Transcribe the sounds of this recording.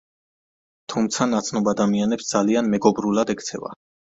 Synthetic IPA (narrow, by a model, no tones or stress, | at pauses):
t̪ʰumt̪sʰanat̪sʰnɔbad̪amianɛpsd̪z̥alianmɛɡɔbɾulˠad̪ɛkʰt̪sʰɛ̰va̰